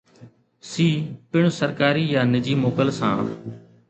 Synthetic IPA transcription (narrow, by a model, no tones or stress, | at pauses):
siːpɪɳ̃səɾkaːɾiːjãːnɪd͡ʒiːmoːkəlsãː